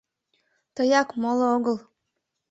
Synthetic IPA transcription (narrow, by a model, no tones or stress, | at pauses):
t̪ɤjɑkmolˠooɣɤ̆lˠ